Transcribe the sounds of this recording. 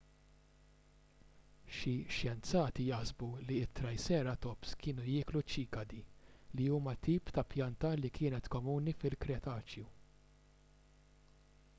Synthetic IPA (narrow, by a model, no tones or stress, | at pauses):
ʃiʃjɛnt͡sɐːt̪ijɐħsbuliɪt̪ːɾɐjsɛːɾɐt̪ɔpskɪːnujɪːklut͡ʃiːkɐd̪iliuːmɐt̪iːpt̪ɐpjɐnt̪ɐlikʰɪːnɛt̪kɔmuːnifɪlkɾɛt̪ɐːt͡ʃju